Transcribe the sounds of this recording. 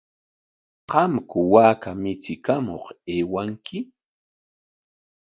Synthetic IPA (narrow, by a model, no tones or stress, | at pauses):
qɑmkʊwaːkamɪt͡sɪkamo̰χeːwaŋkɪ